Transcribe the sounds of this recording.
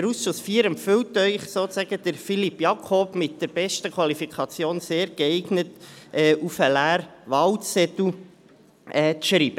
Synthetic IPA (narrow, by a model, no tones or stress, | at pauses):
ɛɾusʃʊsfiːəɾɛmpfʏltœʏχsoːt͡sæɡəd̥̪əɾfilipjɑkʰob̥mɪt̚d̥əɾb̥ɛʃtəkʰwɑlifikʰɑt͡sjoːnseːɾɡ̥ɛɪɡnətʔɛːʔufəlæːɾʋɑltɛt̪u | ɛːt͡sʃɾiːb̥ə